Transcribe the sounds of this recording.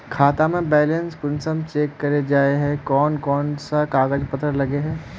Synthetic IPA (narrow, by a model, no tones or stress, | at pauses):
kʰaːt̪amẽbɛːlẽnskʊnsəmt͡ʃeːkːɐɾed͡ʒaːeɦɛ̃kɔːnkɔːnsakaːɡəd͡ʒpət̪əɾlɐɡeɦɛ̃ː